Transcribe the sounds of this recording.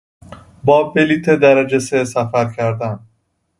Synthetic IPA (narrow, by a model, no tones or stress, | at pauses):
bɒːbeliːt̪ʰed̪æɾæd͡ʒesesæfæɾcʰæɾd̪æn